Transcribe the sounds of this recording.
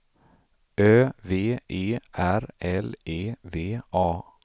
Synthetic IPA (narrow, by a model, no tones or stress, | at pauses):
øːveːʔeːʔæɾɛleːveːʔɑː